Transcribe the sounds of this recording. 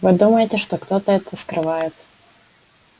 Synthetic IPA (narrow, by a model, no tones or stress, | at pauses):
vɨd̪uməjɪtʲɪʂt̪okt̪ot̪əɛt̪əskɾɨvajɪt̪